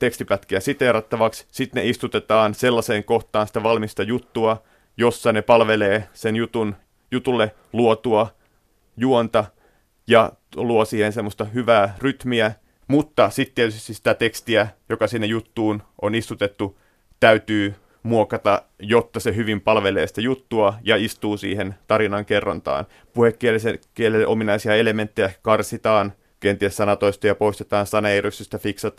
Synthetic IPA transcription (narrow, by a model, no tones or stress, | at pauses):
t̪ekst̪ipæt̪kiæsit̪erɑt̪ːɑʋɑkssit̪neist̪ut̪et̪ɑːnselːɑseːŋkoht̪ɑːnsi̥t̪æʋɑlmist̪ɑjut̪ːuɑ | josːɑnepɑlʋeleːsenjut̪un | jut̪ulːe | luot̪uɑ | juont̪ɑ | jɑ | luosiːhensemːost̪ɑhyʋæːryt̪miæ | mut̪ːɑsit̪t̪ːiet̪ysst̪isi̥t̪æt̪ekst̪iæjokɑsinːejut̪ːuːnʔonist̪ut̪et̪ːu | t̪æyt̪yː | muokɑt̪ɑ | jot̪ːɑseɦyʋimpɑlʋeleːsi̥t̪æjut̪ːuɑjɑist̪uːsḭːhent̪ɑɾinɑŋkerːɑ̰nt̪ɑ̰ːn | puhekːielisekielelːʔominɑisiɑelement̪ːejækɑrsit̪ɑːn | kent̪iessɑnɑt̪oist̪ɑjɑpoist̪et̪ɑːnsɑnɑeryst̪ist̪æfiksɑt̪